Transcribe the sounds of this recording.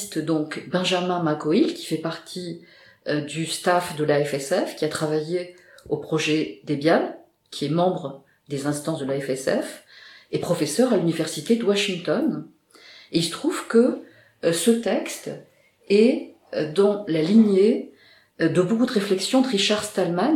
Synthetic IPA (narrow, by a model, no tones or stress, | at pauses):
st̪d̪ɔ̃kbɛ̃ʒamɛ̃makɔilkʲi̥fɛpaʁt̪ʰi | d̪yst̪afd̪əlaɛfɛsɛfkʲiat̪χavaje | opχɔʒɛd̪ebjal | kʲʰiɛmɑ̃bʁə | d̪ezɛ̃st̪ɑ̃sd̪əlaɛfɛsɛfɛpχɔfɛsœʁalynivɛʁsit̪ed̪əwaʃiŋt̪ɔn | eilst̪χuv̥kə | sət̪ɛkst̪ | ɛ | d̪ɑ̃laliɲje | d̪əbokud̪əʁeflɛksjɔ̃ɑt̪ʁiʃaʁst̪alman